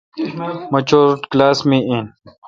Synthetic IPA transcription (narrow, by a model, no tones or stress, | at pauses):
mɐt͡ʃoːɾʈklaːsmĩĩn